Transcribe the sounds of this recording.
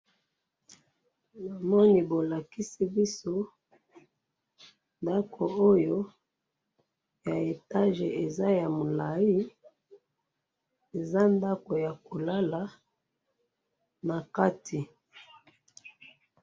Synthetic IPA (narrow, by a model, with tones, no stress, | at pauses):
ba˨mɔ˦ni˨bo˨la˨ki˦si˦bi˦so˦ | nda˦kʰo˨o˦jo˦ | ja˨e˨ta˦ʒe˨e˨za˦ja˨mo˨la˨i˦ | e˨za˦nda˦ko˨ja˨ko˨la˦la˨ | na˨ka˦tʰi˨